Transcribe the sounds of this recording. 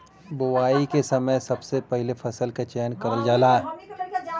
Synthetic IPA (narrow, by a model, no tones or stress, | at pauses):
bʊwaːikesɐməjsɐbsepɛɦɪlefʰɐsəlkat͡ʃɛːnkɐɾəld͡ʒaːlaː